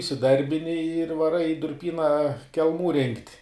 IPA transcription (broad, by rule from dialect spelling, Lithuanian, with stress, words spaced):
ɪsʲɪˈdɐrʲbʲɪnʲɪ ɪr ʋɐˈrɐɪ ɪ dʊrʲˈpʲiːnɐ kʲɛlˠˈmuː rʲɪŋktʲ